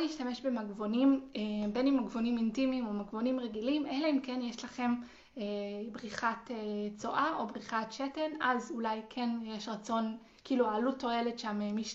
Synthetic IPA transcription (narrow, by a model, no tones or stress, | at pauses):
liːʃtameʃbe̞maɡvo̞nimebenimaɡvo̞nimintimimomaɡvo̞nimʁeɡilimʔeleimkenjeʃlaχe̞m | ebʁiχatet͡so̞ʔao̞bʁiχatʃetenazulajkʰe̞njeʃʁat͡so̞n | kiːluaːlutːo̞e̞le̞tʃamemiʃ